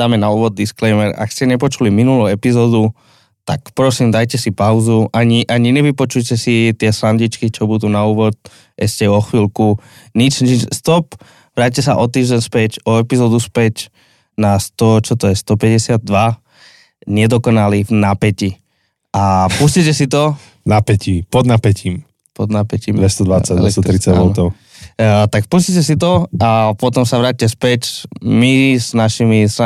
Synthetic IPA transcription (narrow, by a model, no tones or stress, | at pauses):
d̪aːmɛnauːʋɔd̪̚ːisklɛjmɛɾa̰kscɛɲɛpɔt͡ʃuliminuluɛpizɔːd̪u | t̪a̰kpɾɔsiːmd̪ajcɛsipaʊzuʔaɲiʔaɲiɲɛʋipɔt͡ʃujcɛsit̪ɪɛslanɟit͡ʃkit͡ʃɔbud̪uːnauːʋɔt̪̚ | ʔɛscɛɔxʋilku | ɲit͡ʃɲit͡ʃst̪ɔp | ʋɾaːc̚cɛsaʔɔt̪iːʒd̪ɛnspɛcɔɛpizɔːd̪uspɛc | nast̪ɔt͡ʃɔt̪ɔjɛst̪ɔpɛɟɛsɪad̪̚ːʋa | ɲɪɛd̪ɔkɔnalivnapɛci | ʔapuscicɛsit̪ɔ | napɛcipɔd̪napɛciːm | pɔ̰d̪napɛcimd̪ʋɛst̪ɔd̪ʋat͡saɟd̪ɛst̪ɔt̪ɾit͡saɔlt̪ɔʊ | t̪akpuscicɛsit̪ɔapɔt̪ɔmsaʋɾaːc̚cɛspɛcmiznaʃimisa